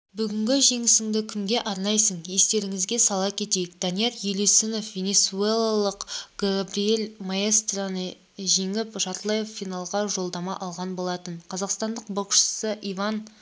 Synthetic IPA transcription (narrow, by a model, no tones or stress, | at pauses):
bʏɡʲɪŋɡʲɪʒe̞ŋɪsɪŋd̪ɪkʲʰɪmɡʲe̞ʔɑɾnɑjsəɴje̞st̪e̞ɾɪŋɪzɡʲe̞sɑlˠɑkʲʰe̞t̪e̞jɪkd̪̥ɑnijeɾjelisɪno̞fvʲe̞nʲe̞t̪sue̞lˠalˠəqɡ̥uabɾije̞lʲmaest̪ranə | ʒeŋɪpʒɑt̪lˠejeffijnɑlˠʁɑʒo̞lˠd̪ɑmɑʔɑlˠʁɑnbo̞lˠɑt̪ənqʰɑzɑqst̪ɑnd̪əq̚bɑʃə̥səʔijvɑn